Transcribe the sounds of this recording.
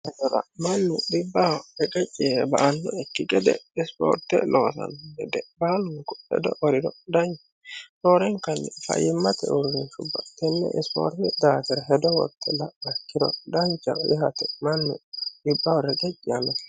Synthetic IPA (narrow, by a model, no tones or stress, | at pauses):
hɛd̪ɔɾɐ̰mɐnːʊɗɪbːɐwɾɛkʼɛt͡ʃʼːɪbɐʔɐnːɔɛkːɪɡʼɛd̪ɛ̰ɪspo̰ːɾt̪ːɛlʔoːsɐ̰nɡɛd̪ɛbaːlʊŋkɔ̥hɛ̰d̪ɔʔɔɾɪdɔd̪ɐɲt͡ʃ | soːɾɛŋkɐnːɛfɐ̰jɪmːɐt̪ɛ̰ʊɾɡɪnʃʊbːɐt̪ɛnːɛ̰ʔspo̰ːɾt̪ɛd̪aːk̪ɛɾɔɦɛd̪ɔwɔ̰t̪ʰːɛlɐɐkːɪd̪ɔ̰d̪ɐɲt͡ʃːɐʔɪɦɐt̪ɛmɐnːʊ̰ɗɪbːawɔɾɛkʼɛt͡ʃʼːɪjɐmɛ